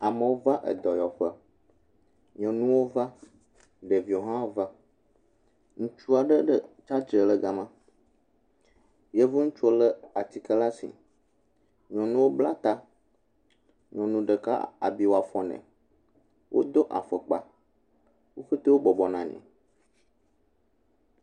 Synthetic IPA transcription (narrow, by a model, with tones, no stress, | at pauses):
a˨mə̃˨wo˦va˦ʔə̰˨d̪ɔ˨jɔ˨ɸə˦ | ɲɔ̃˨nũ˦wo˦va˦ | ɖe˨vi˨o˨ɦã˦wo˦va˦ | ŋũ˦t͡ʃu˦a˨ɖə˦ɖə˦t͡ʃa˦d͡ʒə˨lə˦ɡa˦mã˦ | jɛ˦vo˦ŋũ˦t͡ʃu˦o˦lə˦a˨t̪i˨kə˦la˦sḭ˨ | ɲɔ̃˨nũ˦wo˦bla˦t̪a˦ | ɲɔ̃˨nũ˨ɖə˨ka̰˦a̰˨bi˦wo˨a˨fɔ̃˨nɛ̰̃˨ | wʔo̰˦d̪o˦ʔa˨fə˨k͡pa̰˨ | wo˦xe˦t̪e˦wo˦bɔ˨bɔ˨nã˨ɲɛ̰̃˨